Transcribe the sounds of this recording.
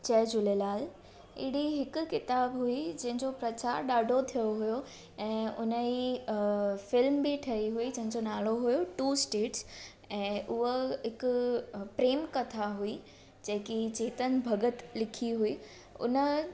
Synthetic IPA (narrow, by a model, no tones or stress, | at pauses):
t͡ɕɛːd͡ʑʊlelaːl | ɪ̰ɽiɦɪkʊ̆kɪt̪aːbɦuid͡ʑɐ̃ɦɪ̃ɲd͡ʑopɾɐt͡ɕaːɾɗaːɖʱot̪ʰijoɦʊjo | ɛ̃ːʊnəi | fɪlmbɪʈʰɐɾiɦuid͡ʑɐ̃ɦɪ̃ɲd͡ʑonaːloɦujoʈuːsʈeːʈs | ɛ̃ːʔʊɦoɦɪkʊpɾeːmkɐt̪ʰaɦui | d͡ʑɐ̃ɦɪ̃kit͡ɕeːt̪ənɪ̆bʱɐɡət̪lɪkʰiɦui | ʊ̰nə